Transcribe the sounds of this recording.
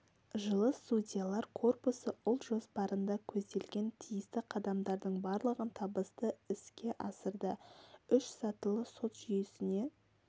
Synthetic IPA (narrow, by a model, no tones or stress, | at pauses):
ʒəlˠəst̪udʲijalˠɑɾqʰo̞rpusəʔʊlˠʒo̞spɑɾənd̪ɑkʲʰɵzd̪e̞lɡʲe̞nt̪ʰijɪst̪ɪqʰɑd̪ɑmd̪ɑɾd̪əɴbɑɾlˠəʁənt̪ʰɑbəst̪əɪskʲe̞ʔɑsəɾd̪əʏʃsɑt̪əlˠəso̞t̪ʒ̥ʏjsɪne̞